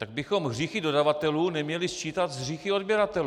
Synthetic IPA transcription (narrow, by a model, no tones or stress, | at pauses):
t̪aɡ̚bɪxo̞mɦr̝iːxɪdo̞davat̪ɛluːnɛmɲɛlɪst͡ʃiːt̪at̪zɦriːxɪo̞dbjɛɾat̪ɛl